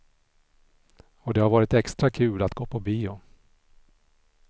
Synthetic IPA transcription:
ɔd̪ɛhaɾvɑːɾɪt̪ɛkst̪ɾakʰʉ̟ːlat̪ɡ̥oːpʰɔbiːʊ

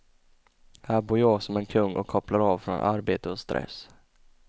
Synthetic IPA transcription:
hæːɾbuːɾjɑːɡsɔmɛnkʰɵŋːɔ̰kʰɔplaɾɑːvfɾɔnʔa̰ɾbeːt̪əɔst̪ɾʔɛ̰s

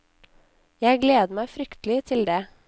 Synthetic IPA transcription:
jæɪɡleːd̪əmæɪfɾʏkt̪l̩ɪt̪ʰɪld̪eː

